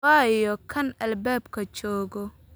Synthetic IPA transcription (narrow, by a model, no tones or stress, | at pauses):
aːjɔkʰɐnʔɐlbɛːbkʰɐt͡ʃɔːɣɔ